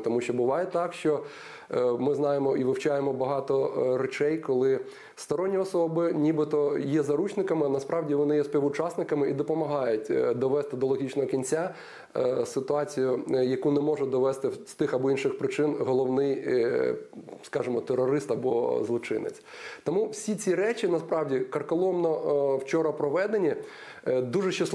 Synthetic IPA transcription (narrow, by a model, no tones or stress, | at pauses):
t̪ɔmuʃt͡ʃɔbʊʋɑjɛt̪ɑkʃt͡ʃɔ | mɪznɑjemɔʔiʋɪwt͡ʃɑjemɔbɐɦɑt̪ɔɾɛt͡ʃɛjkɔlˠɪ | st̪ɐɾɔnʲːiɔsɔbɪnʲibɪt̪ɔjɛzɐɾut͡ʃnɪkɐmɪnɐspɾɑwdʲiʋɔnɪjɛspʲiʋʊt͡ʃɑsnɪkɐmɪʔid̪ɔpɔmɐɦɑjʊtʲd̪ɔʋɛst̪ɪd̪ɔlˠɔɦʲit͡ʃnɔɦɔkʲinʲt͡sʲa | sɪt̪ʊɑt͡sʲijʊjɐkunɛmɔʒɛd̪ɔʋɛst̪ɪst̪ɪxɐbɔinʃɪxpɾɪt͡ʃɪnɦɔlˠɔwnɪj | skɑʒɪmɔt̪erɔɾɪst̪ɐbɔzlˠɔt͡ʃɪ̰nɪ̰t͡sʲ | t̪ɔmuwsʲit͡sʲiɾɛt͡ʃʲinɐspɾɑwdʲikɐrkɔlˠɔmnɔwt͡ʃɔɾɐpɾɔʋɛd̪enʲi | d̪uʒɛʃɪsˠ